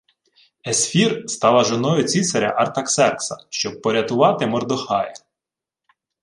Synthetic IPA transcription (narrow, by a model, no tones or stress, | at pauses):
esfʲirst̪ɑlˠɐʒonɔjʊt͡sʲisɐɾʲɐ̰ʔɐrt̪ɐksɛrksɐʃt͡ʃɔb̚pːɔɾʲɐt̪ʊʋɑt̪ɪmɔrd̪ɔxɑjɪ